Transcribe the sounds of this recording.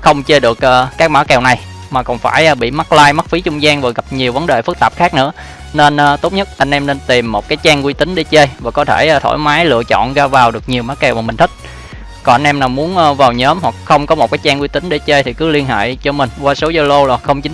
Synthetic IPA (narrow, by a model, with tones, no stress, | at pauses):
xə˧wŋ͡mt͡ɕe˧ɗɨ˨˩ək̚ʔəː˧˩kaː˦˥k̚maː˧˥kɛ˨˩wna˨˩j | maː˨˩kɔ̰˧˩nfaː˧˩jʔɓḭ˧˨ma˦˥k̚laː˧jma˦˥t̚fi˨˦t͡ɕʊ˧ŋ͡mzaː˧ŋvaː˨˩ɣa˨˩p̚ɲi˨˩əwvə˨˦nɗe˨˩fɨ˦˥k̚t̪aː˨˩p̚xaː˦˥k̚nɨ̰˧˥ə | ne˧nʔːt̪o˦˥t̚ɲə˦˥t̚ʔa˧jŋ̟ʔɛ˧mne˧nt̪i˨˩mːo˨˩t̚kaː˨˦jt͡ɕaː˧ŋkwi˧t̪ï˨˦ŋ̟ɗi˧t͡ɕe˧jvaː˨˩kɔ˨˦t̪ʰeː˧˩˧t̪ʰo̰˧˩jmaː˨˦jlɨ̰˧˨ət͡ɕɔ̰˧˨nɣaː˧vaː˨˩wɗɨ˨˩ək̚ɲi˨˩əwmaː˧˦˥kɛ˨˩wma˨˩ï̟˨˩t̪ʰï˦˥k̚ | kɔ˨˩nʔa˧ŋ̟ʔɛ˧mnaː˨˩wmu˨˦ənʔːvaː˨˩wɲəː˨˦mhwa˨˩k̚xə˧wŋ͡mkɔ˨˦mo˨˩t̚kaː˨˦jt͡ɕaː˧ŋkwi˧t̪ï˨˦ŋ̟ɗi˧t͡ɕe˧jt̪ʰi˨˩kɨ˨˦li˧nhḛː˧˨jt͡ɕɔ˧mï˨˩ŋ̟kwaː˧so˨˦zə˧lo˧laː˨˩xə˧wŋ͡mt͡ɕï˨˦